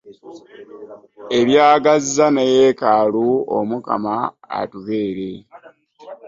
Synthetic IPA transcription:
e̞ljaːɡazizanejekaːluo̰muka̰ma̰ː | tuβe̞ːɾe̞

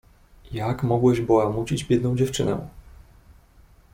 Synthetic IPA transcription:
jakmɔɡwɛʑbɔwamut͡ɕid͡ʑbʲjɛd̪nɔ̃w̃d͡ʑɛft͡ʂɘnɛ̰

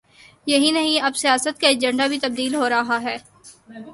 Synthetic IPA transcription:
jɐɦinɐɦĩɐbsijaːsət̪̚kaed͡ʒə̃ɳɖabʱit̪ɐb̚d̪iːlɦoːɾɐɦaɦɛː

